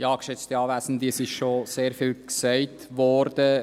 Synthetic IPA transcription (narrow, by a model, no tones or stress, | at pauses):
jɑːɡ̥ʃɛt͡stiɑːvæːsn̩diəsiʃʃoseːɾfilksɛɪt | vɔɾdə